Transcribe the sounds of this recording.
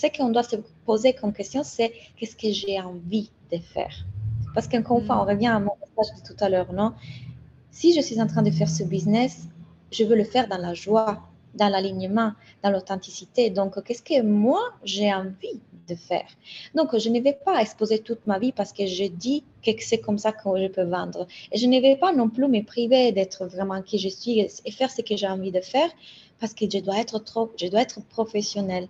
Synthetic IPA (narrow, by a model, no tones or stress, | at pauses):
sɛkəɔ̃d̪wasəpozekɔmkɛst̪jɔ̃sɛkɛskəʒeɑ̃vid̪̥əfɛ̰ːʁpaʁsə̥kəɑ̃kɔʁynfwaɔ̃ʁəvjɛ̃amɔ̃mɛsaʒd̪ət̪ut̪alœʁnɔ̃ | siʒəsɥizɑ̃t̪χɛ̃d̪əfɛʁsəbiznɛs | ʒəvøləfɛʁd̪ɑ̃laʒwa | d̪ɑ̃laliɲəmɑ̃ | d̪̥ɑ̃lot̪ɑ̃t̪isit̪ed̪ɔ̃kkːɛskəmwaʒeɑ̃vid̪əfɛ̰ːʁd̪ɔ̃kʒənəvɛpaɛkspozet̪ut̪mavipaʁsə̥kəʒəd̪i | kəksɛkɔmsakʰəʒəpøvɑ̃d̪ʁəeʒənəvɛpanɔ̃plymɛpʁived̪ɛt̪χəvʁɛmɑ̃kiʒəsɥieefɛʁsəkəʒeɑ̃vid̪əfɛːʁpaʁsə̥kəʒəd̪waɛt̪χət̪χoʒəd̪waɛt̪χəpʁɔfesjɔnɛl